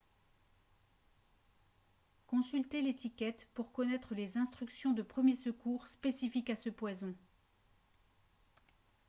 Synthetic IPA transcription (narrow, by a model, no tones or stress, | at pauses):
kɔ̃sylt̪elet̪ikʲɛt̪puʁkɔnɛt̪χəlezɛ̃st̪χyksjɔ̃d̪əpχəmjesəkuʁspesifikasəpwazɔ̃